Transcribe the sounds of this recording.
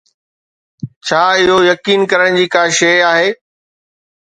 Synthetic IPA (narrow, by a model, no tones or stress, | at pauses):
t͡ɕʰaːɪɦojɐkiːnkɐɾəɽ̃d͡ʑiːkaːʃeːaːɦeː